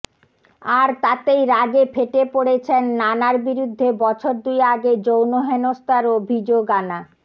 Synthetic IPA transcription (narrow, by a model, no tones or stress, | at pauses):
aɾt̪at̪ejɾaɡepʰeʈepoɽet͡ɕʰenːanaɾbiɾud̪ʱːebɔt͡ɕʰoɾd̪ujaɡed͡ʑownoɦenost̪ʰaɾobʱid͡ʑoɡana